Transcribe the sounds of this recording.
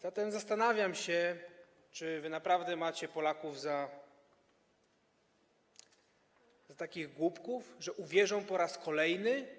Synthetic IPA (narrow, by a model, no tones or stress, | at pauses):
z̥at̪ɛmzast̪anavʲjamɕɛ | t͡ʂɘvɘnapɾavd̪ɛmat͡ɕɛpɔlakuvza | zat̪akʲiɣɡwupkufʐɛʔuvʲjɛʐɔ̃w̃pɔɾaskɔlɛjnɘ